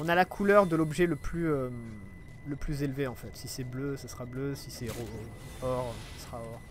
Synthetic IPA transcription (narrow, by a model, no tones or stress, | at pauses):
ɔ̃nalakʰulœʁd̪əlɔbʒɛləplyøm | ləplyzelveɑ̃fɛt̪sisɛbløsasʁabløsisɛʁo | ɔʁsḁsʁaɔʁ